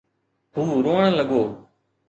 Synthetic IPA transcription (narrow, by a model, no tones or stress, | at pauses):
ɦuːɾoːəɳ̃ləɠoː